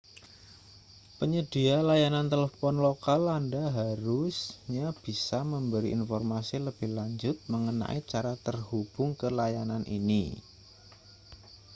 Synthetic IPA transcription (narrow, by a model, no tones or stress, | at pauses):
pəɲəd̥i̤alajanant̪eləfɔnlokalandaɦaɾusɲab̥isaməmbəɾiʔinfɔrmasiləb̥ɪhlaɲd͡ʒʊt̪̚məŋəna̰ʔit͡ʃaɾat̪ərhub̥ʊŋkəlajananʔḭni